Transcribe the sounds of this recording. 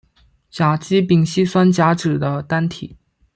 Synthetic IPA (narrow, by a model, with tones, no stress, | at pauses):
t͡ɕja˨˩t͡ɕi˥pi˨˩ŋɕi˥swa˥nt͡ɕja˧˥ʈ͡ʂɻ̩˨˩d̪ə˦t̪a˥nt̪ʰi˨˩˦